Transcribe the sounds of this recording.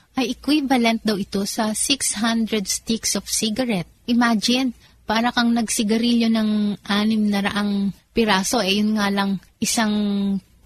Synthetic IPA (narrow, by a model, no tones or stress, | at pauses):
ʔɐjʔɛkwivɐlɛnt̪̚d̪ɐwɪt̪o̞sɐsikshand̪ɾɛd̪st̪iksofsiɡɐɾɛt̪̚ʔɪmaːd͡ʒɪn | paːɾɐkɐŋnɐɡsɪɡɐɾiljo̞nɐŋʔaːnɪmnɐɾɐ̰ʔaŋpɪɾaːso̞ʔɛjʊnŋaːlɐŋʔɪsaŋ